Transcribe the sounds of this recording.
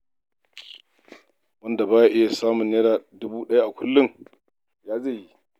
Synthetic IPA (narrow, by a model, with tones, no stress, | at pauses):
wɐ˦nda˨baː˦ja˦ʔɪ˦ja˨saː˦mʊ˨njɐ˦ɽaː˨dʊ˦buː˦ɗɐ˦ja˦ʔa˨kʷʰʊ˦lːʊ˦ŋ | jaː˦zeː˦˨ji˦